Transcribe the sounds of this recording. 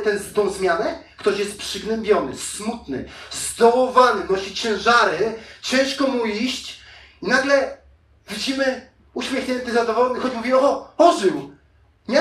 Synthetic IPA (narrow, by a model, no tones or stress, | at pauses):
t̪ɛnzt̪ɔ̃w̃zmʲjanɛkt̪ɔɕjɛst̪̚pʂɘɡnɛmbʲjɔnɘ̰smut̪nɘ̰zd̪ɔwɔvanɘɡnɔɕit͡ɕɛ̃w̃ʐaɾɘt͡ɕɛ̃w̃ʂkɔmuiɕt͡ɕ | inaɡlɛ | vʲid͡ʑimɘ | uɕmʲjexɲɛnt̪ɘzad̪ɔvɔwɔmʲixɔd͡ʑmuvʲiɔɔɔʐɘw | ɲɛ